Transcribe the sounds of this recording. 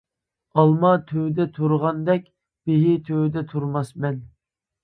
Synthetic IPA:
ɑlˠmɑt̪ʰøwd̪ɛt̪ʰuɾʁɑnd̪ɛkʲ | b̥eɦɪt̪ʰøwd̪ɛt̪ʰuɾmɑsmɛn

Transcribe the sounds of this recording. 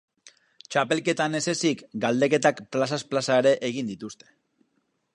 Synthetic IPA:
t͡ʃape̞lke̞t̪ane̞se̞sikɡald̪e̞ke̞t̪akplasasplasaeɾe̞ʔeɣ̞ind̪it̪ust̪e̞̥

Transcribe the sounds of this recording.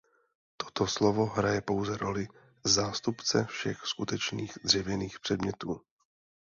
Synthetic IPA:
t̪o̥t̪oslovo̞ɦɾajɛpo̞wzɛɾo̞lɪ | zaːst̪upt͡sɛfʃɛxskut̪ɛt͡ʃniːɣd̪r̝ɛvjɛniːxpr̥ɛdmɲɛt̪uː

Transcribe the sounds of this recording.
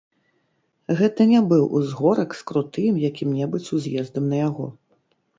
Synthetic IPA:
ɣɛt̪ɐnʲɛbɨwʔṵzɣɔɾɐkskɾut̪ɨmjakʲimnʲɛbɨt͡sʲuzʲjɛzd̪ɐmnɐjaɣɔ̰

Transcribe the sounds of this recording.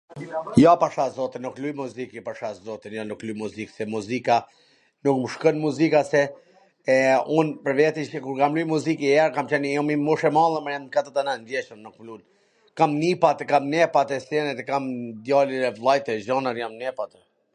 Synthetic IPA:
japaʃazɔt̪inuklujmuzikipaʃazɔt̪injanuklujmuziksɛmuzika | nukməʃkɔnmuzikasɛ | unpəɾvɛt̪iʃɛkuɾkamlujmuzikiɛɾkamt͡ʃɛnjɔmimuʃɛmalˠɛmɛjamkat̪ət̪anand̪jɛt͡ʃəmnukmlun | kamnipat̪ɛkamnɛpat̪ɛsɛnɛt̪ɛkamd̪jaliɛvlˠajt̪ɛʒɔnəɾjamnɛpat̪ɛ

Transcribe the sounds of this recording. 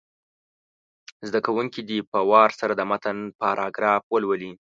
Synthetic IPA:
zd̪akawuŋkid̪ipəwɑɾsaɾad̪əmat̪ənpɑɾʔɑɡɾɑfwəlwəli

